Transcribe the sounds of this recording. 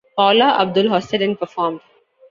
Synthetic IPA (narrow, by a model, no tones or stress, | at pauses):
pɔːlaʔɐ̰b̚d̪ʊlɦɔːsɪɖə̃npəɾfɔːɾmɖ